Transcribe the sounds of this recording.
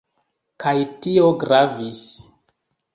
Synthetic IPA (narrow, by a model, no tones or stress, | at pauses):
kʰajtio̞ɡɾavis